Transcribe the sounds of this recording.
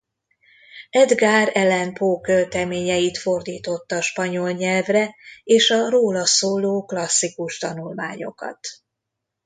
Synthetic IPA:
ɛd̪ɡaːɾɛlɛnpoːkølt̪ɛmeːɲɛjit̪fo̞rd̪iːt̪o̞t̪ːɒʃpɒɲo̞lɲɛlvrɛeːʃɒroːlɒsoːloːklɒsːikuʃt̪ɒnulma̰ːɲo̞̰kɒ̰t̪

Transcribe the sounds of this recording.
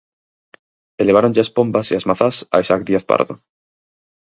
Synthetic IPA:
eleβ̞aɾoɲʎaaspombasiazmaθasa̰isakd̪iaθpa̰ɾðo

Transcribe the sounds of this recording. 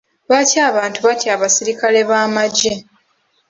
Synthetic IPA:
βacaːβaːntuβacaːβasiɾikale̞βaːmaɟe̞

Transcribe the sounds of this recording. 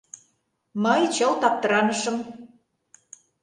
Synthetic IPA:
mɤjt͡ɕɤlt̪ɑp̚t̪ə̆ɾɑnə̆ʃɤ̆m

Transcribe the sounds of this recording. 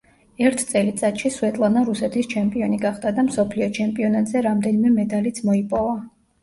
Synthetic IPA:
ɛɾt̪ʰt̪sʼɛlit̪sʼat̪ʃiswɛt̪ʼlˠanaɾusɛt̪ʰist͡ʃʰɛmpʼiɔniɡaχd̪ad̪amsɔpʰliɔt͡ʃʰɛmpʼiɔnat̪ʼzɛɾamd̪ɛnimɛmɛd̪alit̪sʰmɔipʼɔva

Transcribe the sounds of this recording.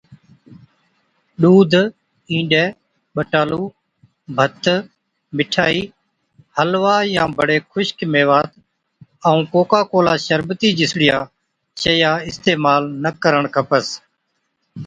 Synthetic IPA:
ɗuːd̪ʱ | ĩːɖeː | ɓəʈaːluː | bʱət̪ʰ | mɪʈʰaːiː | həlʋaːjãːbʱəɽeːkʰʊʃkmeːʋaːt̪ | əũːkoːkaːkoːlaːʃəɾbt̪iːd͡ʒɪsɽɪjaː | t͡ʃəjaːɪst̪eːmaːlnəkəɾəɳkʰəpəs

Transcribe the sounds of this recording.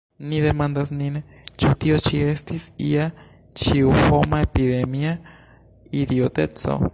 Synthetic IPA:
niðemand̪asnin | t͡ʃut̪iot͡ʃiest̪isḭa | t͡ʃiuhomaepiðemia | id̪iot̪et͡so̰

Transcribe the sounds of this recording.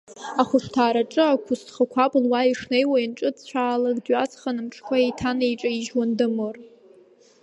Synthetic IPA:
aχʷʊʂtʰaːɾaʈ͡ʂʼɨakʷʰʊstʰχakʷʰapʼɨlwaiʂne̞jwainʈ͡ʂʼɨtt͡ɕʷʰaːlakdɥat͡sʰχanɨmʈ͡ʂʰkʷʰaejtʰanejʈ͡ʂʼaiʒwandɨmɨr

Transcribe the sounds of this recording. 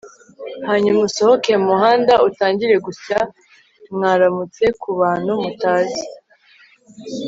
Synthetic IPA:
haːɲumuso̞ho̞kemuhaːndautaːɲɟiɾe̞ɡusa | mŋaːɾamut͡se̞kuβaːn̥humutaːzi

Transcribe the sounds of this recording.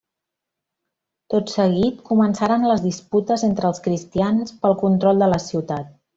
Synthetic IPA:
t̪ot̪səɣit̪kumənsaɾənləzðisput̪əzent̪ɾəlˠskɾist̪ianspəlˠkunt̪ɾɔlˠd̪ələsiwt̪at̪̚

